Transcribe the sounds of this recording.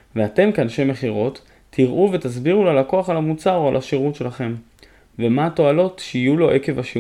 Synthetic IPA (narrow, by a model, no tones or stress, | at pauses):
veat̪e̞mkeanʃeme̞χiʁo̞tʰː | iʁʔuve̞t̪azbiʁulalako̞aχalamut͡saʁoalʔaʃiʁutʃe̞laχe̞m | vemato̞alo̞tʃeijulo̞ʔe̞ke̞vaʃi